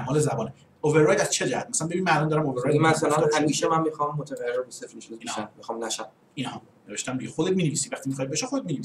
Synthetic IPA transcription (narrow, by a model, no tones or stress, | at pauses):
mɦɒːlezæbɒːne | oveɾːɑjd̪æz̥t͡ʃʰed͡ʒæhæt̪̚mæsælænmbeinimænælɒnd̪ɒɾæmoveɾɑjmæsælææmiːʃemæmmixɒmːot̪ʰæɣæjreɾbesefiʃuinæmːixɒmnæʃæm | inɒh | neveʃt̪æmd̪iɟexod̪et̪miːneviːsivæχt̪ʰimixɒjd̪beʃexod̪et̪minevisi